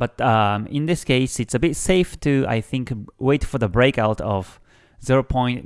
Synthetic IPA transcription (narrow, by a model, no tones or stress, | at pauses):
b̥ʌtʌ̃mɪ̰̃nðɪskeɪsɨtsɨbɪtseɪftʰɨa̰ɪθɪ̃ŋkweɪtfə˞ðəbɹeɪkaʊtʌv̥ | zɪɹopʰɔ̃ɪ̃nt